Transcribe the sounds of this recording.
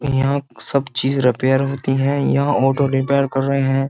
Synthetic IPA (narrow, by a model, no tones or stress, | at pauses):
jjɐɦãsɐbt͡ʃiːzɾɪpeːəɾɦoːt̪iɦɛ̃ːjɐɦãɔːʈoɾɪpeːəɾkɐɾːɐɦeɦɛ̃ː